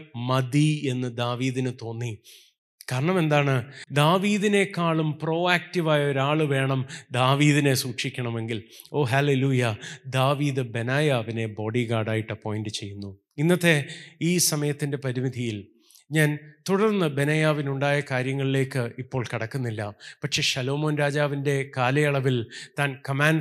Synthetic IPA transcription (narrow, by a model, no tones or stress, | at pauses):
mɐd̪ie̞nːɨd̪aːʋiːðinɨt̪o̞ːnːi | kaːɾɐɳɐme̞nd̪aːɳɨd̪aːʋiːðine̞kːaːɭumpro̞ːaːk̚tiʋaːjɐo̞ɾaːɭɨʋe̞ːɳɐmd̪aːʋiːðine̞suːkʂikʲːɐɳɐme̞ŋɡilo̞ːɦaːle̞luːjɐd̪aːʋiːðɨbe̞naːjaːʋine̞bo̞ːɽiɡaːɽaːjiʈːɨpo̞ːjinɖɨt͡ɕe̞jːunːu | inːɐt̪ːe̞iːsɐmɐjɐt̪ːinde̞pɐɾimid̪ʱijil | ɲaːnt̪uɽɐrnːɨbe̞nɐjaːʋinuɳɖaːjɐkaːɾjɐŋːɐɭile̞ːkːɨipːo̞ːɭkiɽɐkːunːilːɐpɐkʂe̞ʂɐlo̞ːmoːnɾaːd͡ʑaːʋinde̞kaːlɐjɐɭɐʋilt̪aːnkɐmaːn